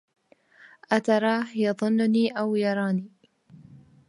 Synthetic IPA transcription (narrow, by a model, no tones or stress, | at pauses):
ʔat̪ɑɾˤɑːhjɑðˤʊnːʊniːʔawjɑɾˤɑːniː